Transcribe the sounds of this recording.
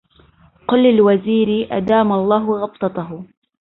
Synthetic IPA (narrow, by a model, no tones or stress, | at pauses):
qʊlːɪlwaziːɾɪʔa̰d̪aːmaɑlˤːɑːɦʊɣɑbt̪ˤɑt̪aɦʊ